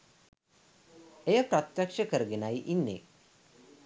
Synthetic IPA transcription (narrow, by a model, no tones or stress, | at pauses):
ejəpɾat̪jakʂəkəɾɡenajʔinːḛ